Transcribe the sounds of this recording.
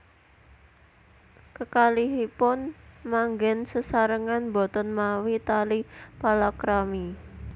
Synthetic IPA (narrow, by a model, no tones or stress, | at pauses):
kəkaliɦipʊnmaŋɡɛnsəsaɾəŋanbɔt̪ɔnmawit̪alipalakɾami